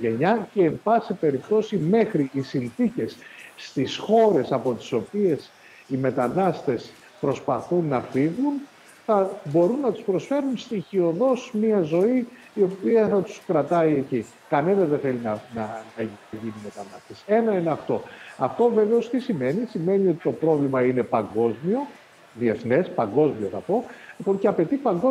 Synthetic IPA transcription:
ʝeɲɐce̞ːɱbɐsipe̞ɾipt̪o̞sime̞xɾiisinθice̞sːt̪isxo̞ɾe̞sɐpo̞t̪i̥so̞pie̞s | ime̞t̪ɐnɐst̪e̞s | pɾo̞spɐθunːɐfiɣun | θɐbo̞ɾunːɐt̪u̥spɾo̞sfe̞ɾunst̪içio̞ðo̞smiɐzo̞iː | o̞piɐθɐt̪u̥skɾɐt̪ɐie̞ci | kɐnenɐzðenθe̞linɐnɐnnɐʝiniime̞t̪ɐnɐst̪e̞se̞nɐineɐft̪o̞ɐft̪o̞ve̞ve̞o̞st̪isime̞nisime̞nio̞t̪i̥t̪o̞pɾo̞vlimɐine̞pɐŋɡo̞zmio̞ | ðie̞θne̞spɐŋɡo̞zmio̞θɐpo̞lipo̞nceɐpe̞t̪ipɐŋɡo

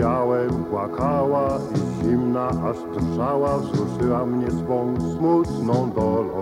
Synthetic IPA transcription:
awɛkwakʰawaiʑimnaʔaʂt̪rʐawavzɾuʂɘwamɲɛsfɔ̃w̃smut̪nɔ̃w̃d̪ɔlɔ̰

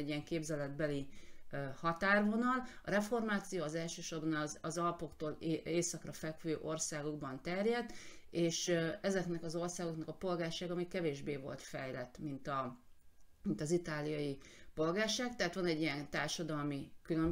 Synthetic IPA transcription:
ɛɟːijɛŋkeːbzɛlɛd̪̚bɛli | hɒt̪aːrvo̞nɒlɒɾɛfo̞rmaːt̪sijoːɒzɛlʃøːʃo̞rbɒnzɒzɒlɒpo̞kt̪oːleːsɒkrɒfɛkʋøːʔo̞rsaːɡoɡ̚bɒnt̪ɛrjɛd̪eːʃɛzɛknɛkɒzo̞rsaːɡo̞knɒkɒpo̞lɡaːrʃaːɡɒmikɛveːʒbeːvo̞̰lt̪fɛjlɛt̪ːmint̪ɒ | mint̪ɒzit̪aːlijɒji | po̞lɡaːrʃaːɡt̪ɛɦat̪ʋɒnɛɟːijɛnt̪aːrʃɒd̪ɒlmikyløm

